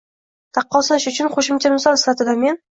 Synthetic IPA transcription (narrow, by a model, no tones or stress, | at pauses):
t̪ʰɑqːɒsanɪʃʊt͡ʃʰʊnχoʃɪmt͡ʃʰamɪsɒlˠɪsfat̪ʰɪd̪ame̞n